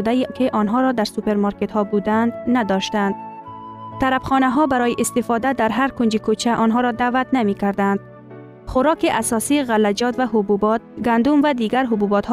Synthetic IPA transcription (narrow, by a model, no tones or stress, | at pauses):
d̪æjikʰeʔɒnɦɒɾɒd̪æɾsupeɾmɒɾket̪hɒbud̪ænd̪nad̪ɒʃt̪ænd̪̚ | t̪aɾabxɔːnæɦɒbæɾɒːjiʔist̪efɒd̪æd̪æɾɦaɾkʊnd͡ʒikʰut͡ʃʰæʔɔnɦɒɾɒd̪avæt̪namikæɾd̪ænd̪̥̚ | χʊɾɒːkiʔasɒsiːɣalːæd͡ʒɒt̪væɦʊbubɒt̪̚ɡænd̪umvæd̪iːɡæɾɦʊbubɒt̪h